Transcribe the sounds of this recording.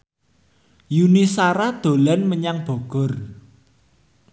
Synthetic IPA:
junisaɾad̪̥o̤lanməɲaŋb̥o̤ɡ̥ɔ̤r

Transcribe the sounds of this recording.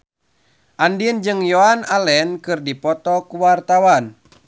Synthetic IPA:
ʔandind͡ʒɨŋjɔanalɛnkɨrdipɔt̪ɔkuwart̪awan

